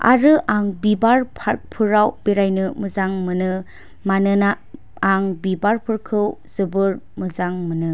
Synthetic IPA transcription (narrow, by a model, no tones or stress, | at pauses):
a̰ɾɯʔaŋbibaɾpʰapʰɯɾawb̥eɾajnɯmɯzaŋmɯnɯ | manɯnaː | ŋbibaɾpʰɯɾkʰɯwzɯbɯɾmɯzaŋmɯnɯ